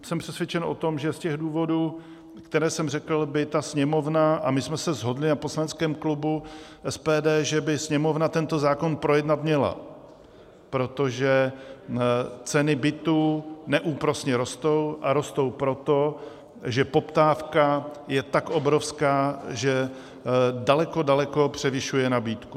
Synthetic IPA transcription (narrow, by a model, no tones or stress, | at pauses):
sɛmpr̥ɛsvjɛt͡ʃɛnʔo̞̰t̪o̞mʒɛscɛɣduːvo̞duː | kt̪ɛɾɛːsɛmrɛkl̩bɪt̪asɲɛmo̞vnaʔamɪsmɛsɛzɦo̞dlɪnapo̞slanɛt͡skɛːmklubuʔɛspɛːdɛːʒɛbɪsɲɛmo̞vnat̪ɛnt̪o̞zaːko̞npɾo̞jɛdnat̪mɲɛla̰ | pɾo̞t̪o̞ʒɛ | t͡sɛnɪbɪt̪uːnɛʔuːpɾo̞sɲɛɾo̞st̪o̞wʔaɾo̞st̪o̞wpɾo̞t̪o̞ | ʒɛpo̞pt̪aːfkajɛt̪akʔo̞bɾo̞fskaːʒɛ | dalɛko̞dalɛko̞pr̝̥ɛvɪʃujɛnabiːt̪ku